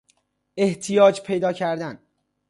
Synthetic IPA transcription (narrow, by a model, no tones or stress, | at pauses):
e̞ht̪ʰijɒːd͡ʒpʰe̞jd̪ɒːcʰæɾd̪æn